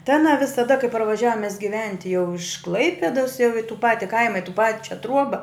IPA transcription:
tɐɪ ɐˈnɐ ʋʲɪsɐˈdɐ kɐɪ pɐrʋɐˈʒʲæːʋoːm mʲɛs ɡʲɪˈʋʲɛnʲtʲɪ jɛʊ ɪʃ ˈklˠɐɪpʲɛdɐs jɛʊ ɪ tʊ ˈpɑːtʲɪ ˈkɐɪmɐ ɪ tʊ ˈpɑːt͡ʃʲɛ ˈtruɔbɐ

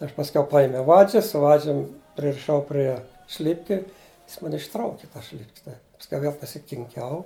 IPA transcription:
ˈɐʃ pɐsʲˈkʲɛʊ ˈpɑːjɪmʲɛʊ ˈʋɑːd͡ʒʲɪs sʊ ˈʋɑːd͡ʒʲʊm pʲrʲɪrʲɪˈʃɐʊ pʲrʲiɛ ˈʃʲlʲɪpʲkʲɪ ˈjɪs ˈmɐnʲ ɪʃˈtrɐʊkʲɪ ˈtɐs ʃʲlʲɪpʲkʲsʲ tɐɪ pɐsʲˈkʲɛʊ ˈʋʲiɛlˠ pɐsʲɪkʲɪŋʲˈkʲɛʊ

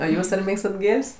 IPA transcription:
oː ˈjuːs ɐr ˈmʲeːkstɐt ˈɡʲeːlʲsʲ

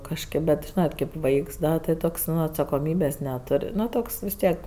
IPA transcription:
kɐʃʲˈkʲeːp bʲɛt ˈʒʲiːnɐt kɐɪp ˈʋɐɪks ˈdɐ tʲɪ ˈtoːks ˈnʊ ɐtsɐkoːˈmʲiːbʲeːsʲ nʲɛˈtoːrʲ ˈnʊ ˈtoːks ʋʲɪs ˈtʲiɛk

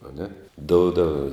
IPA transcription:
ɐˈnʲɛ ˈdoːʊdɐw

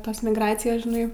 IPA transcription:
ˈtoːs mʲɪɡˈrɑːt͡sʲɪjoːs ʒʲɪˈnɐɪ

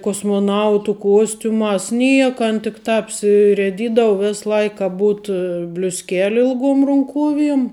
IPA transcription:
koːsmoːˈnɐʊtʊ ˈkuɔsʲtʲʊmɑːs ˈnʲiɛkɐ ˈɐn tʲɪk ˈtɑːp ɐpʲsʲɪrʲiɛˈdʲiːdɐw ˈʋʲɛs ˈlˠɐɪk kɐ ˈbuːt bʲlʲʊsʲˈkʲæːlʲɪ ɪlˠˈɡoːm rʊŋˈkuɔʋʲiɛm

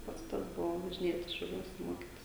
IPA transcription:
ˈpɐts ˈtɐs ˈbʊʋoː ʋɐʒʲɪˈnʲeːtʲɪs ʃʲɛʊˈlʲuɔs ˈmoːkʲɪtʲɪs

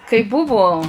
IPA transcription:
kɐɪ ˈbʊʋoː

